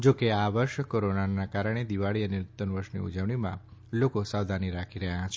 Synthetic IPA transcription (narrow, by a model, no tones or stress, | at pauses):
d͡ʒokeaʋəɾʃkoɾonanakaɾəɽ̃ed̪iʋaɭiəneɾut̪ːənʋəɾʃnḭṵd͡ʒəʋɳ̃imã̰lokosaʋd̪ʱaniɾakʰiɾəɦjãt͡ʃʰ